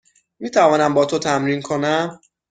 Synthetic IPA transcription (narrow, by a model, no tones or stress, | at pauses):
miːt̪ʰævɒːnæmbɒːt̪ʰot̪ʰæmɾiːnkʰonæm